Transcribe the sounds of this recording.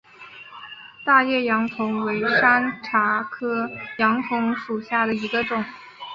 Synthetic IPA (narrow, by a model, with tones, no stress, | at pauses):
t̪a˥˧jɛ˥˩jɑ˧˥ŋk̪ʰʊ˧˥ŋwe˧˥ɪʂa˥nʈ͡ʂʰa˧˥kʰɤ˥jɑ˧˥ŋk̪ʰʊ˧˥ŋʂu˨˩ɕja˥˩d̪ə˩i˧˥ɡə˧ʈ͡ʂʊ˨˩˦ŋ